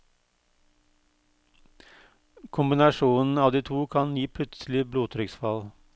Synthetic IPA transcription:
kʰʊmbɪnɑʃuːnn̩ɑːʋd̪iːt̪ʰuːkʰɑnjiːpʰlʉt̪slɪbloːt̪ʰɾʏksfɑl

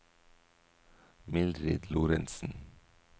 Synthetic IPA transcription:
mɪld̪ɾḛd̪luɾɛnsn̩

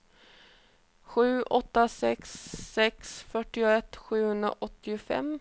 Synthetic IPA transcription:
ɧʉ̟ːʔɔt̪ːasɛksːɛksfœʈɪʊɛt̪ːɧʉ̟ːhɵnd̪ɾa̰ʔɔt̪ːɪʊfɛ̰m

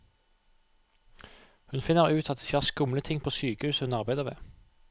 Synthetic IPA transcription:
hʉnfɪnːəʁʉːt̪ʰɑt̪̚d̪eːsjeːʁskʊmlət̪ʰɪŋpʰoːsyːkəhʉːsəhʉnɑʁbæɪd̪əʁʋḛː

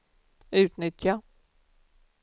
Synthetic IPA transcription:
ʉ̟ːt̪nʏt̪ja

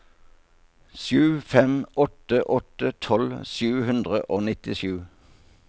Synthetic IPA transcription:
ʃjʉːfɛmʔɔt̪əʔɔt̪ət̪ʰɔlʃʉːhʉnd̪ʁə̰ʔoːnɪt̪ɪʃʉː

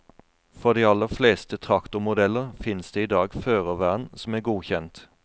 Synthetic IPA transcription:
fɔʁd̪iːɑləʁfleːst̪ət̪ʰʁɑkt̪ʊmʊd̪ɛləʁfɪnsd̪eːiːd̪ɑːɡføːʁəʋæːʁnsɔm̩æːʁɡuːçɛnt̪

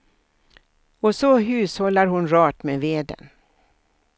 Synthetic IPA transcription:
ɔsɔɦʉ̟ːshɔlːəɾɦʊnɾɑːʈmeːveːd̪ə̰n

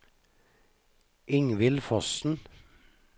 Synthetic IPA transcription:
ʔɪŋʋɪlfɔsn̩

